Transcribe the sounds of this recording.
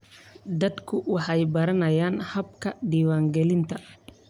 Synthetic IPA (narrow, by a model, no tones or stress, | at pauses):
d̪ɐd̪kʰʊwɑħɑjbɐɾɐnɐjaːnhɐb̚kʰɐɖiːwaːŋɡɛlɪnt̪ʰɐ